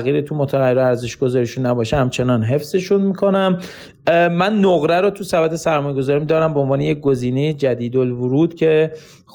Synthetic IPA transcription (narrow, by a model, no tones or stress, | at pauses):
ɣiːɾet̪ʰumot̪ʰæʁæɾæɾze̞ʃɡ̥o̞zɒːɾiʃunːæbɒːʃehæmt͡ʃʰe̞nɒnɦe̞fz̥e̞ʃunmiːkʰo̞næm | mænːoɣɾæɾot̪ʰusæbæt̪ʰesæɾmɒːjeɡo̞zɒːɾimid̪ɒːɾæmbeonvɒːnejec̚ɡoziːnejed͡ʒæd̪iːd̪olvuɾuːd̪̥cʰe̞